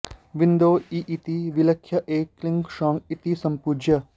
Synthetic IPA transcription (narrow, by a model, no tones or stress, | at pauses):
ʋind̪oːiʔit̪iʋilɐkʰːjɐʔeːklĩŋɡʃɔ̃ːŋɡit̪isɐ̃mpuːd͡ʒjɐ